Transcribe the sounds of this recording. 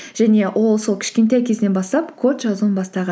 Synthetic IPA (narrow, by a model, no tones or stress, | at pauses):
ʒ̥æne̞wʔo̞lˠso̞lˠkʲʰɪ̥ʃkʲe̞nt̪æjkʲʰe̞zɪnebɑst̪ɑpkʰo̞t̪ʒɑzuwənbɑst̪ɑʁɑ